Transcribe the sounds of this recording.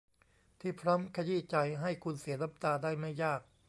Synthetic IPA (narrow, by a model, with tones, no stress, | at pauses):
t̪ʰiː˥˩pʰɾɔ˦˥mkʰa˧jiː˥˩t͡ɕa˧jɦa˥˩jkʰu˧nsi˨˩˦ɐɾa˦˥p̚t̪aː˧daː˥˩jma˥˩jːaː˥˩k̚